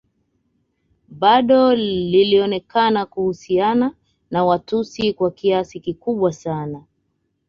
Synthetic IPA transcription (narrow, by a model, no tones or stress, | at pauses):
ɓaɗɔliliɔnɛkanakuhusiana | nawatusikwakiasikikuɓwasana